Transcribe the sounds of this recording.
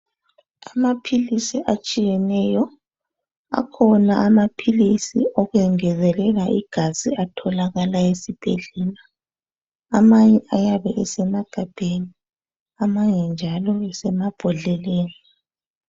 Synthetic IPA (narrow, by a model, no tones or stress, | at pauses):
amapʰilisiʔat͡ʃʼijɛnɛjɔ | a̰kʰɔnaamapʰilisḭɔɣwɛŋɛzɛlɛlaʔiɡ̥ʱaziatʰɔlaɣalaesib̥ʱḛɮɛla | amaɲɛajaβɛʔɛsɛmaɡ̥ʱab̥ʱeni | amaɲɛnd͡ʒʱalɔɛsɛmab̥ʱɔɮɛleːni